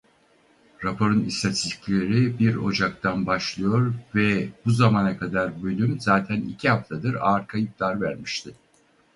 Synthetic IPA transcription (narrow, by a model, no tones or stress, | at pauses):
ɾapʰoɾɯnist̪ʰat̪ʰist̪i̥cʲlʲe̞ɾibiɾo̞̰d͡ʒak̚t̪ʰanbaʃlˠɯjo̞ɾvɛbuzamanakʰad̪aɾbø̞lʲymzaːt̪ʰænḭcʰiɦaft̪ʰad̪ɯɾaɾkʰajɯplˠaɾvæɾmiʃt̪ʰɪ